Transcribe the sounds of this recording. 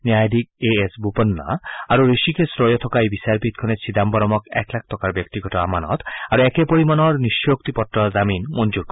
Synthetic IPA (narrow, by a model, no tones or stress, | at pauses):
niajd̪ikeesbupɔnːa̰aɾuɾeʃikesɾɔjɔt̪ʰɔkajbisaɾpit̪̚kʰɔnet͡ɕʰid̪ambɔɾɔmɔkɛ̰klak̚ʰt̪ɔkaɾbjɔkt̪iɡɔtɔamanɔ̰t̪aɾuɛkepoɾimanɔɹniʃːook̚t̪ipɔtːɾɔzaminmond͡ʑuɾkɔ